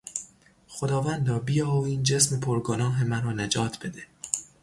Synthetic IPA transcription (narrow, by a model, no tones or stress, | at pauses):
xod̪ɒːvænd̪ɒːbijɒːiːnd͡ʒe̞smepʰoɾɡonɒːɦemæɾɒːned͡ʒɒːt̪ʰb̥e̞d̪e